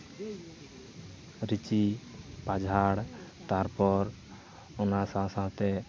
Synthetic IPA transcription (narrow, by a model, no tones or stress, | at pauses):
ɾit͡ʃipad͡ʒʱaɽt̪aɾpɔɾ | onasasawt̪ɛ